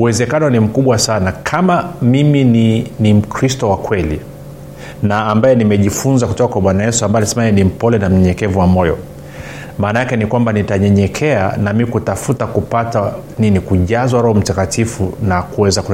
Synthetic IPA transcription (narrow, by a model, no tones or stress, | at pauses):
uwɛzɛkanɔnim̩kuɓwasanakʰamamimininim̩kɾistɔwakwɛlḭ | naːmbajɛnimɛʄifunzakutɔkakwaɓwanajɛsuambaɔnisɛmainim̩pɔlɛnam̩ɲɛɲɛkɛvuwamɔjɔ̰ | maːnajakɛnikwambanitaɲɛɲɛkʰɛa̰namikutafutakupata | ninikuʄazwaɾɔhɔm̩takatifunakuwɛzak